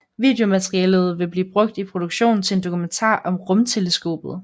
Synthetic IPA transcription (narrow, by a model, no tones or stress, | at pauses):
ʋḭːd̥e̝o̝mæt͡sʁiɛːləð̞̩ˠʋe̝b̥liːb̥ʁɔ̽ɡ̥̚d̥ipʰʁo̝d̥uɡ̥ɕo̝̰ːn̩t͡sʰe̝e̝nd̥o̝kʰument͡sʰɑ̰̈ːʔɒ̽mʁɔ̽mt͡sʰe̝ləsɡ̥o̝̰ːb̥ð̩ˠ